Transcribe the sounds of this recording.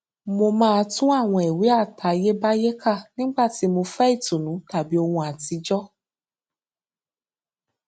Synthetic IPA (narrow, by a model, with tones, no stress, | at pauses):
mo˧mãː˦˧tũ˦a˦˨w̃ɔ̃˧e˨wi˨˦a˦˨tʰa˨˧je˦ba˦je˦kʰa˦˨nĩ˦ɡ͡ba˦˨ti˨˦mo˧fɛ˦i˦˨tũ˨nũ˨˦ta˨bi˨˦o˧hũ˧a˨ti˨˦d͡ʒɔ˦